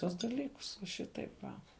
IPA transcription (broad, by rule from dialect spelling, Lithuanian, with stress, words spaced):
ˈtuɔs dɐˈlʲiːkʊs ʋɐ ˈʃʲɪtɐɪp ʋɐ